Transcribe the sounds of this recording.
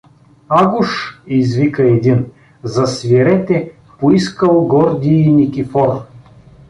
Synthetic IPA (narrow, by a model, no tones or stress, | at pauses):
aɡʊʃizvikəɛd̪in | zɐsvʲiɾɛt̪ɛ | poiskəlˠɡɔɾd̪iːnʲikʲifɔɾ